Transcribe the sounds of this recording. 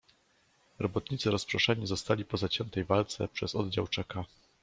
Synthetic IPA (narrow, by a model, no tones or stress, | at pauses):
ɾɔbɔt̪ɲit̪sɨɾɔspɾɔʂaɲizɔst̪alʲipɔzat͡ɕɛnt̪ɛjvalt̪sɛ̰pʂɛzɔd̪d͡ʑawt͡ʂɛka